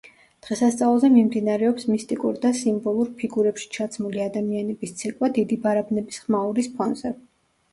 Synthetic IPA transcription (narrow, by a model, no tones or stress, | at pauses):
d̪̥ʁɛsast̪sʼavlˠzɛmimd̪inaɾɛɔpsmist̪ʼikʼṵɾd̪asimbɔlˠuɾpʰiɡuɾɛpʃi̥t͡ʃʰat̪sʰmuliad̪amianɛbist̪sʰɛkʼwad̪id̪ibaɾabnɛbisχmauɾispʰɔnzɛ